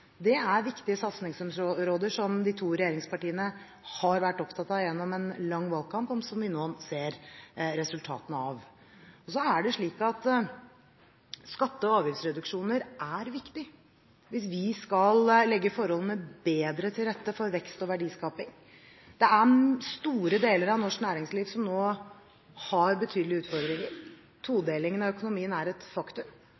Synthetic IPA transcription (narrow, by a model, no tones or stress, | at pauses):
d̪ɛæɾʋɪkt̪ɪəsɑt̪snɪŋsɛmsɾoːd̪əʂɔmd̪ɪt̪ʰuːɾɛjeːɾɪŋspɑʈiːənə | hɑɾʋæʈːɔpt̪ʰɑt̪ɑʋjɛnːɔmɛnlɑŋːʋɑlkʰɑmpɔmpsɔmʋɪnoːseːɾɾɛsʉlt̪ʰɑ̰ːt̪ənəɑʋ | ɔsɔæɖɛʂɭiːkɑt̪ | skɑt̪ːəɔɑːʋjɪfsɾɛd̪ʉkʂuːnəɾʔæɾʋɪkt̪ɪ | ʋɪsʋɪskɑllɛɡːəfɔɾhɔlənəbeːd̪ɾət̪ʰɪlɾɛt̪ːəfɔɾʋɛkst̪ɔʋæɖiːskɑːpɪŋ | d̪̥ɛæst̪uːɾəd̪eːləɾɑʋnɔʂknæːɾɪŋsliːʋsɔmnoː | hɑɾbət̪ʰyːd̪əlɪʉːt̪fɔɾd̪ɾɪŋəɾ | t̪ʰuːd̪eːlɪŋənɑʋœkʊnʊmiːənæɾɛt̪fɑkt̪ʉm